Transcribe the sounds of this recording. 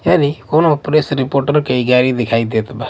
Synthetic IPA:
janikɔnɔpɾesɾipoɾʈəɾkeiɡaɾid̪ɛkʰaid̪et̪ʰba

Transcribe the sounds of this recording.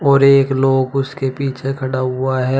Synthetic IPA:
ɔːɾeːkloːɡʊskepiːt͡ʃʰekʰɐɽaɦʊaɦɛː

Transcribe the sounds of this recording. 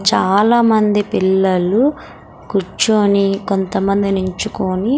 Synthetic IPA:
t͡ʃaːlaːmɐnd̪ipilːɐlu | kut͡ʃːoːniko̞nt̪ɐmɐnd̪inuɲt͡ʃukoːni

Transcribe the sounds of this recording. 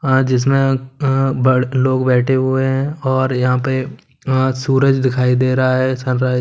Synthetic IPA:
ad͡ʒɪs̬mẽ | bɽloːɡbɛːʈʰeɦʊeɦɛ̃ɔːɾjɐɦãpe | suːɾəd͡ʒd̪ɪkʰaːid̪eːɾɐɦaɦɛːsə̃nɾa

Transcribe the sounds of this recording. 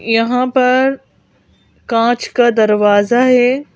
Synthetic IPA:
jɐɦãpɐɾ | kãːt͡ʃkad̪ɐɾʋaːzaɦeː

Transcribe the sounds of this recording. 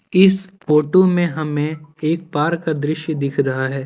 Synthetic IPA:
ɪspoːʈomẽɦɐmẽeːk̚paːɾkad̪ɾɪʃjəd̪ɪkʰɾɐɦaɦɛː

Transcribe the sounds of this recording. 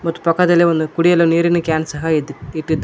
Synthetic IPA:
mɐt̪ːu̥pɐkːɐd̪ɐlːiʋond̪ukuɽijɐluniːɾinɐkjaːnsɐɦɐid̪iʈːid̪

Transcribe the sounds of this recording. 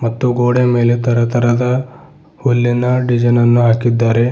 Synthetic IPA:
mɐt̪ːuɡoːɽeme̞ːlet̪ɐɾɐt̪ʰɐɾɐd̪ɐ | hulːinɐɖid͡ʒɐnɐnːuɦaːkid̪ːaːɾe̞

